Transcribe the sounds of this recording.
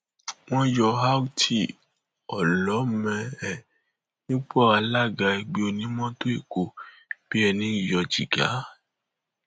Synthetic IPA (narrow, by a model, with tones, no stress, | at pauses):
w̃ɔ̃˦jɔ˧ɦa˦wu˦tʰi˨ | ɔ˨lɔ˨˦mɛ̃˧ɛ˦˨ | nĩ˦k͡pɔ˦˨a˧la˦˨ɡa˧i˧ɡ͡be˨˦o˧nĩ˦mɔ̃˦to˦i˦˨ko˨ | b̥i˨˦ɛ˧nĩ˨˦i˦˨jɔ˧d͡ʒi˨ɡa̰˨˦